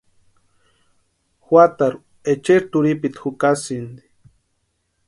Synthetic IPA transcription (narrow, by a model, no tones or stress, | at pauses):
xwat̪aɾu | et͡ʃeɾt̪uɾipit̪xukasind̪i̥